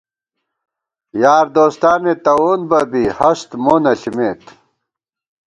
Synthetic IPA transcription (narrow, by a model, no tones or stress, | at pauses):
jaːɾd̪oːst̪aːmet̪ɐwoːnbɐbihɐst̪monɐɬimeːt̪